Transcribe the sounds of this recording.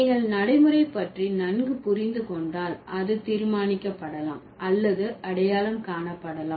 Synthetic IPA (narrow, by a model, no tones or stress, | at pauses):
ŋɡɐɭnɐɽɐɪmɯɾɐɪpːɐʈrinɐnɡɯpʊrɪnd̪ɯkɔɳɖaːlʔɐðɯt̪iːɾmaːnɪkːɐpːɐɽɐla̰ːmɐlːɐðɯɐɽɐjaːlɐmkaːɳɐpːɐɽɐlaː